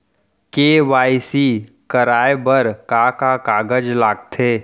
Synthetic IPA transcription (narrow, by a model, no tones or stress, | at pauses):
keːʋaːisi | kəɾaːebəɾkakakaːɡəd͡ʒlaːɡ̚t̪ʰeː